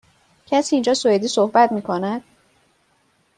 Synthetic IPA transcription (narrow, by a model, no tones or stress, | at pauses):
cʰæsiːind͡ʒɒːsoed̪iːsohbæt̪miːkʰo̞næd̪̥